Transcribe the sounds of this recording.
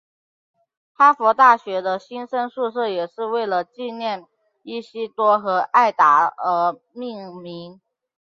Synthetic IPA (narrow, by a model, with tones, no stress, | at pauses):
pʰa˥fɔ˧˥t̪a˥˩ɕɥɛ˧˥d̪ə˧ɕi˥nʂə˥nʂu˥˧ʂɤ˥˩jɛ˨˩ʂɻ̩˥˧we˥˩ɪlə˩t͡ɕi˥˧njɛ˥˧n | i˥˩ɕi˥t̪wɔ˥xɤ˧˥ʔa˥˩ɪt̪a˧˥ə˧˥ | mi˥˩ŋmi˧˥ŋ